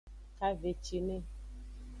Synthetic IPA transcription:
ka˦ve˨t͡ʃi˨nẽ˦

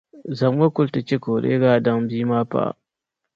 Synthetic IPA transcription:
za˨mwa˦kʊ˦lta˨kʲe˦koː˨ɗḛ˦ɡaː˦˨da˦ŋbiː˦maː˦pa̰˦˨

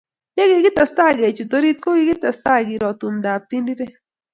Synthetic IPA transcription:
je˦ɡɪ˨ɡɪ˦t̪a˨st̪a˦ɡe˨t͡ʃu˨t̪o˦ɾi˦t̪̚ko˦ɡi˨˦ɡɪ˦t̪a˨st̪a˦ɡi˨ɾɔ˨t̪u˨mda˨p̚t̪i˦ndi˦ɾe˦

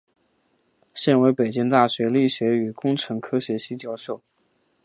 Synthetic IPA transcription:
ɕjɛ˥˩nwe˧˥ɪpe˨˩ɪt͡ɕi˥ŋt̪a˥˩ɕɥɛ˧˥li˥˩ɕɥɛ˧˥y˨˩kʊ˥ŋʈ͡ʂʰɤ˧˥ŋkʰɤ˥ɕɥɛ˧˥ɕi˥t͡ɕjɑ˥˧ʊʂo˥˩ʊ

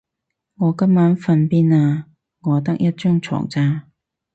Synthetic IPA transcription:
ŋɔː˨˧kɐ˥mːaː˨˥nfɐ˧npiː˥naː˧ | ŋɔː˨˧t̪ɐ˥k̚jɐ˥t̚t͡ʃœː˥ŋt͡sʰɔ̰ː˨˩ŋt͡saː˧

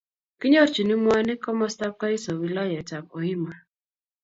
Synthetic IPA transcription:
ki˦ɲɔ˦˨t͡ʃi˨ni˦mwa˦ni˦kɔ˦mɔ˦sta˦p̚ka˦i˦sɔ˨wi˨lɔ˦jɛ˨ta˨pɔ˨i˦ma˨

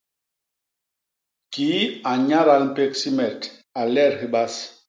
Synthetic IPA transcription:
kiː˨˦a˨ɲa˦ɾa˨lm̩˦˨pe˦ksi˦mɛ˨ta˨lɛ˦˨ɾhe˦ɓa˦s

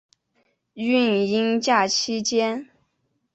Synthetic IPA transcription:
y˥˩˧ni˥ŋt͡ɕja˥˩t͡ɕʰi˥t͡ɕjɛ˥n

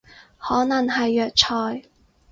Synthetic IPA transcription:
hɔː˨˥nɐ˨˩ŋɦɐ˨jːœː˨k̚t͡ʃʰɔː˨˩j

